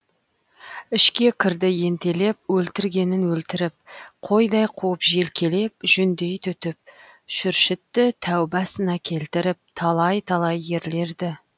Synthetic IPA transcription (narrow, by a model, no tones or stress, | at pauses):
ɪʃkʲe̞kʲʰɪɾd̪ɪje̞nt̪e̞le̞p̚wɵlt̪ɪɾɡʲe̞nɪnwɵlt̪ɪɾɪp̚qʰo̞jd̪ɑjqʰuəpʒe̞lkʲʰe̞le̞p̚ʒʏnd̪e̞jt̪ʰʏt̪ɪp̚ʃʏɾʃɪt̪ːɪt̪ʰæwbɑsənɑkʲʰe̞lt̪ɪɾɪp̚t̪ʰɑlˠɑjt̪ʰɑlˠɑjːe̞ɾle̞ɾd̪ɪ